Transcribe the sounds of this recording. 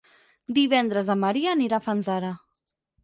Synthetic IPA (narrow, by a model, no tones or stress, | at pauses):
d̪iβ̞ɛnd̪ɾəzəməɾiaːniɾafanzaɾə